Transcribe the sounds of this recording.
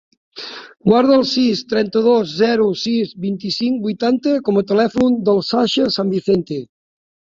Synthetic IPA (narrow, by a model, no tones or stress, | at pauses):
ɡwaɾðəalˠsist̪ɾɛnt̪əðozːɛɾusizbint̪isiŋk̚bujt̪ant̪ekomot̪əlɛfund̪əlˠsaʃəsambiθent̪e